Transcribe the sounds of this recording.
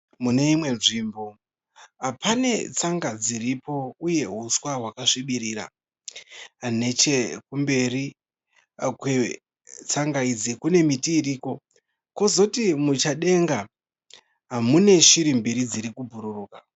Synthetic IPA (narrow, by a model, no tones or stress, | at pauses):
mune̞imwe̞nʐiːmbo̞ | apane̞t͡saŋɡad͡ziɾipo̞uje̞ɦuswaɦwakaʂiɓiɾiːɾa̰ | ne̞t͡ʃekumbe̞ri | kwe | t͡saŋɡaid͡zikune̞mitiːriːko̞ | ko̞zo̞timut͡ʃaɗe̞ŋɡa | ɦamune̞ʃiɾimbiɾid͡ziɾikubʱuɾuruːka